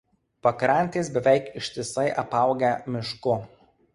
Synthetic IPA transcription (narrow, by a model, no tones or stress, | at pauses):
pɐkɾɑˑnʲt̪ʲeːsbʲɛʋʲɛˑɪkɪʃʲt̪ʲɪsɐɪʔɐpɐˑʊɡʲɛmʲɪʃkʊ